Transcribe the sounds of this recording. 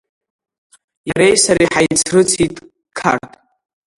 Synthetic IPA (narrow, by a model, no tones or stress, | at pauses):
jaɾejsaɾiħajt͡sʰrɨt͡sʰitʼ | kʰa̰rtʼ